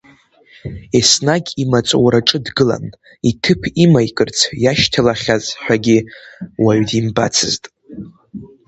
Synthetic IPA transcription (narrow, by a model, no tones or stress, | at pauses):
esnaɡʲimat͡sʷʼwɾaʈ͡ʂʼɨdɡɨla̰n | itʰɨpʰimajkʼɨrt͡sʰjaʃtʰalaχʲazħᶣʷaɡʲiwaɥdimba̰t͡sʰɨztʼ